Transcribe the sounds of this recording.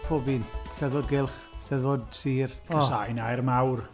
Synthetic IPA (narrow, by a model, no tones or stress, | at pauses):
pʰobinsɛðvod̚ɡɪlˠχ | sɛðvodsiːrkʰəsajnajɾmawr